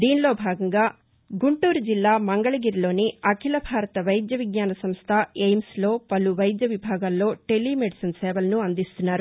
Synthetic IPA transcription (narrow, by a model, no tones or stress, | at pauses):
d̪iːnlo̞ːbʱaːɡɐŋɡaː | ɡuɳʈuːɾud͡ʒilːaːmɐŋɡɐɭɐɡiːɾilo̞ːniɐkʰilɐbʱaːɾɐt̪ɐʋɐjd̪jɐʋiɡɲaːnɐsɐmst̪ʰɐejmslo̞ːpɐluʋɐjd̪jɐʋibʱaːɡaːlːo̞ːʈe̞lːime̞ɖisɐnsɛːʋɐlɐnuɐnd̪ist̪unːaːɾu